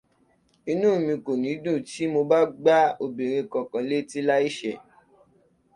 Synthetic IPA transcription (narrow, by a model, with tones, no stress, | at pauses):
i˧nũː˦˨mĩ˧ko˨nĩ˨˦dũ˦˨ti˦mo˧ba˦ɡ͡ba˦o˧bi˨ɾẽ˧kɔ̃˨kã˨le˦ti˦la˦i˦ʃɛ˦˨